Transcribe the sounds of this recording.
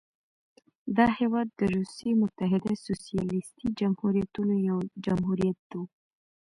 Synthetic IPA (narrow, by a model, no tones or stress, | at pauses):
d̪ɑhewɑd̪ːəɾusimʊt̪aɦɪd̪asosijɑlɪst̪id͡ʒamhuɾijat̪unojawd͡ʒamɦuɾijat̪̚d̪u